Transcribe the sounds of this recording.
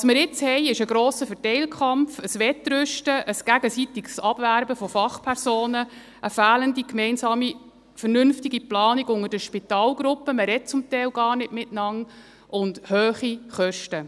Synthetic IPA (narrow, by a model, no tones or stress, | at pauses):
ʋɑsməɾɪt͡shɛɪɪʃəɡɾoːsəfɛtɛɪlkʰχɑmpfəsʋɛtɾʏʃtəʔəsɡ̥æɡəsitɪɡsɑb̥væɾbəfɔfɑχpʰɛɾsoːnə | ʔəfæːləndikmɛɪnsɑːmi | fəɾnʏnftiɡiplɑːniɡʊŋədəʃpɪtɑːlɡɾʊpːəməɾɛt̚t͡sʊmtɛɪlɡɑːrnɪtmɪtnɑŋ | ʔʊndhøːχiχœʃtə